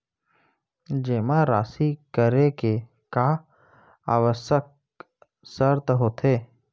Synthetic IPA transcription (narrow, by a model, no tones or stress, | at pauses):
d͡ʒeːmaɾaːsikəɾeke | ka | a̰ːʋəsək̚ | səɾt̪ɦoːt̪ʰeː